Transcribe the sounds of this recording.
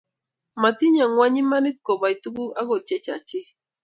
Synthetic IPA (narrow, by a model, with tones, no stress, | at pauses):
ma˨ti˦ɲa˨ŋwa˦ɲi˦ma˦ni˦t̚ko˨ba˨i˨tu˦ku˦a˦ɡo˨t͡ʃɛ˦t͡ʃa̰˨t͡ʃi˦